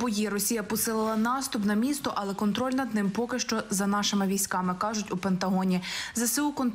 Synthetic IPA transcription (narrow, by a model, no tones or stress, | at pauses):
bɔjiɾɔsʲijɐpɔsɪlˠɪlˠɐnɑst̪ʊpnɐmʲist̪ɔʔɐlˠɛkɔnt̪ɾɔlʲnɐd̪nɪmpɔkɪʃt͡ʃɔzɐnɑʃɪmɪʋʲijsʲkɑmɪkɑʒʊtʲupent̪ɐɦɔnʲizɐsɪlˠʊkɔn